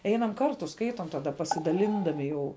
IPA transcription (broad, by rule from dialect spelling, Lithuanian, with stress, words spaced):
ˈɛɪnɐm ˈkɐrtʊ ˈskɐɪtoːm tɐˈdɐ pɐsʲɪdɐˈlʲɪndɐmʲɪ jɛʊ